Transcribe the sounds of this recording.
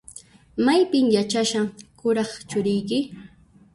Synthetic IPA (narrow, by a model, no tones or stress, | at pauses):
majpɪmjat͡ʃaʃaŋkʊɾɑχt͡ʃʊɾɪjkɪ